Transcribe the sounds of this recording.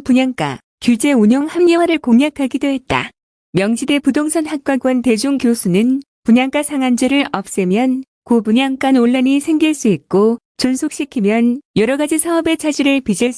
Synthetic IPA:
puɲaŋk͈a̰ | kjud͡ʑe̞uɲoŋhamɲewaɾɯɭkoŋɲakʰaɡidoɦe̞t̚t͈a̰ | mjʌŋd͡ʑide̞pudoŋsʰʌnhak̚k͈waɡwʌnte̞d͡ʑuŋkjosʰunɯn | puɲaŋk͈asʰaŋand͡ʑɯɾɯɭʌp̚s͈ɯmjʌn | kopuɲaŋk͈anoɭːaɲisʰe̞ŋɡiɭs͈uit̚k͈o | t͡ɕonsʰok̚ɕ͈ikʰimjʌnjʌɾʌɡad͡ʑisʰaʌbe̞t͡ɕʰad͡ʑiɾɯɭpid͡ʑiɭs

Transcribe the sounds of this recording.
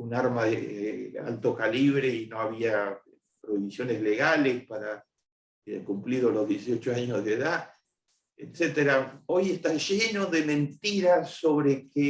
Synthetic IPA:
unaɾmaðea̰lt̪o̞kaliβɾeino̞aβia | pɾoiβisjo̞nezle̞ɣalespaɾa | kumpliðolo̞zðjesio̞t͡ʃoaɲozðeða | et̪set̪eɾao̞je̞st̪aʒenoðemẽ̞nt̪iɾaso̞βɾeke

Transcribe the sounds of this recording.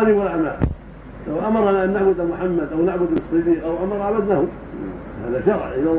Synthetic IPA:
niwalaʕma̰ː | lawʔamɑɾˤɑnaʔanːaʕbʊd̪amʊħamːad̪ʔawnaʕbʊd̪lɨsˤːɨd̪iːqʔawʔamɑɾˤʕabad̪nahʊ | ha̰ːðaʃɑɣlʔɪna

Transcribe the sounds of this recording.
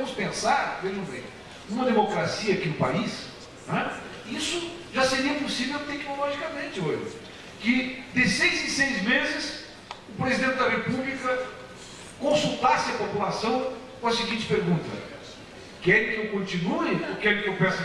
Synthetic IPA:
mʊspẽsaɾveʒɐ̃bḛ̃j̃ | ũmɐd̪emokɾasiɐːkinʊpa̰is | nɛ | isʊ | ʒaseɾiɐpʊsivewt̪ɛknolɔʒikɐmẽnt͡ʃ̪ɪoʒɪ̰ | kɪd̪ɪsejzɪsejzmezɪs | ʊpɾezid̪ẽnt̪ɪd̪ɐhepublikɐ | kõsut̪asɪɐpopulasɐ̃w̃kõɐsɪɡĩnt͡ʃ̪ɪ̥peɾɡũt̪ɐ | kɛɾɪkɪewkõnt͡ʃ̪ĩnuɪokɛɾɪkɪewpɛ̃s

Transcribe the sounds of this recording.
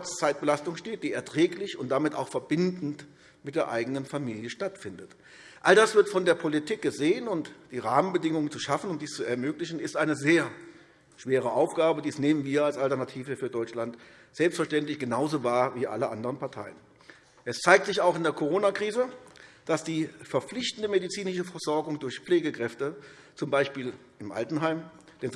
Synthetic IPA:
t͡saɪt̚b̥əlastʊŋʃteːt̚d̥iːɛɐtʁ̥ɛːklɪçʊnt̚d̥amɪta̰ʊxfɛɐbɪndn̩t | mɪt̚d̥eːɐʔa̰ɪɡənənfamiːljəʃtatfɪndət | ʔaldasv̥ɪɐtfɔndeːɐpʰolitʰiːk̚ɡ̥əzeːənʊntd̥iːʁaːmənbədɪŋʊŋənt͡suʃafn̩ʊmtd̥iːst͡suɛɐmøːklɪçn̩ɪstʔaɪnəzeːɐ | ʃv̥eːʁ̞əʔaʊfɡ̥aːbədiːɛsneːmənviːɐalsaltɛɐnatʰiːvəfyːɐdɔʏt͡ʃlant | z̥ɛlpstfɛɐʃtɛntlɪçɡ̥ənaʊzoːvaːɐviːʔa̰ləʔa̰ndəʁənpaɐtʰa̰ɪən | ʔɛst͡saɪk̚tz̥ɪçaʊxɪndeːɐkʰoʁ̞oːnakʁ̥iːzəd̥asd̥iːfɛɐp͡fflɪçtn̩dəmedit͡siːnɪʃəfɛɐz̥ɔɐɡʊŋdʊɐçp͡fleːɡəkʁ̥ɛftə | t͡sʊmbaɪʃpiːl | ʔɪmʔa̰ltn̩ɦaɪm | d̥ɛnz

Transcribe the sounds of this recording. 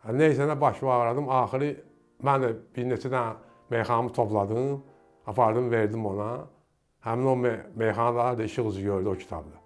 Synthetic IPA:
æneisænæbɑʃvɑɣɾɑd̪ɯmɑːxiɾɯ | mænd̪æb̥iɾnet̪ʰid̪æ | me̞jxɑnmɯt̪ʰo̞plˠɑd̪ɯm | ɑpʰɑɾd̪ɯmveɾd̪imo̞nɑ | hæmino̞mmejxɑnd̪ɑlˠɑɾd̪ɑiʃɯɣɯzɯɟø̞ɾd̪io̞cʰi̥t̪ʰɑ̰bd̪ɑ

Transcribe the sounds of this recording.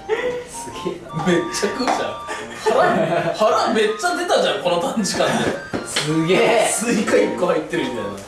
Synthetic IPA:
sɨɡʲe | me̞t͡ɕːakɯd͡ʑã̰ | haɾahaɾame̞t͡ɕːad̪e̞t̪ad͡ʑãŋko̞not̪ãnd͡ʑikãnd̪esɨɡʲesɨikaikːohait̪ːeɾɯĩnd̪a̰na

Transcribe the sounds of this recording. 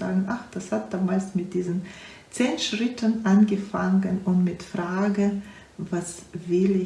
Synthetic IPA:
a̰ːɡn̩ʔaχd̥ashat̚d̥aːmaːlsmɪt̚d̥iːzən | t͡seːnʃʁ̥ɪtʰənʔanɡəfaŋənʊntmɪtfʁ̥aːɡə | vasvɪlɪ

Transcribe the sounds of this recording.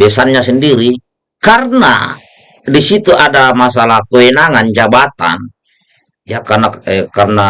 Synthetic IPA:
bɛsanɲasɛndiɾi | karna̰ | disit̪uʔadamas̬alahkoɛnaŋand͡ʒabat̪a̰n | jakanaɛkarna

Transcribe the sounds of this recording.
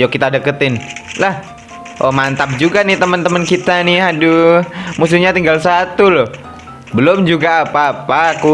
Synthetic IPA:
jokit̪adəkət̪ɪnlah | ʔomant̪ap̚d͡ʒuɡanɪt̪əmənt̪əmənkit̪anɪɦadumus̬uɲat̪iŋɡalsat̪ulʊh | bəlʊmd͡ʒuɡaːpaːpaku

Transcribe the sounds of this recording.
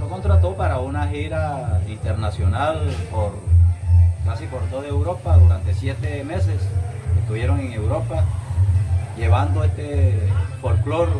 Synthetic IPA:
noko̞nt̪ɾat̪o̞paɾaunahiɾaint̪eɾnasjo̞nalpoɾ | kasipo̞ɾt̪o̞ðaewɾo̞paðuɾant̪e̞sjet̪emesesest̪uβjeɾoŋeŋe̞wɾo̞pa | ʝe̞βand̪oest̪efolklo̞ɾ

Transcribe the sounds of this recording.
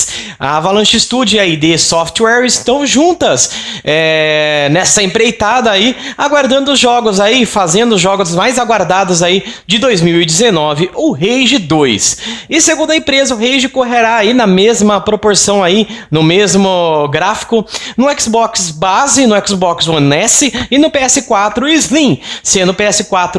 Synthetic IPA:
a̰valɐ̃ʃist̪ud͡ʒɪaid̪ɪsɔft͡ʃ̪wɛɾɪst̪ɐ̃w̃ʒũnt̪ɐsɛnɛsɐẽbɾejt̪ad̪ɐːiaɡwaɾd̪ɐ̃nd̪ʊzʒɔɡʊzaifazẽnd̪ʊzʒɔɡʊzmajzaɡwaɾd̪ad̪ʊzaid͡ʒɪd̪ojzmiwɪd͡ʒ̪ɪzenɔvɪʔʊɦejʒɪd̪ojsɪseɡũnd̪ʊɐẽmpɾezɐʊɦejʒɪkoɦeɾaːinɐmezmɐpɾopoɾsɐ̃w̃ainʊmezmʊɡɾafi̥kʊnʊɛksbɔksbazɪnʊɛksbɔksɐ̃nɛsɪɪnʊpeɛsɪkwat̪ɾʊizlĩsẽd̪ʊpeɛsɪkwat̪ɾʊ

